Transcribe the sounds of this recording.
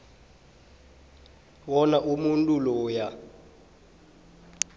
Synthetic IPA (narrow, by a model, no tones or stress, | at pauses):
wɔnaʔumuntʼulɔːja